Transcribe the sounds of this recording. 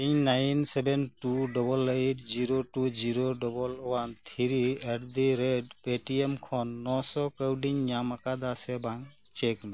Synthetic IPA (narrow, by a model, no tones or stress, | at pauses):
iɲnajnsɛbɛnʈuɖɔbɔlajʈ̚ziɾoʈud͡ʒiɾoɖɔbɔlwant̪ʰiɾiɛʈd̪iɾeɖpeʈiemkʰɔnːɔsɔkawɖiɲɲamakad̪asɛbaŋ | t͡ʃɛkmɛ